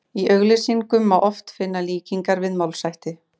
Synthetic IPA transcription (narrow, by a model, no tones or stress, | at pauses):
iʔœɣlɪsiŋkʏmːawʔɔft̪fɪnːaliːciŋkaɾvɪðmawlsajht̪ɪ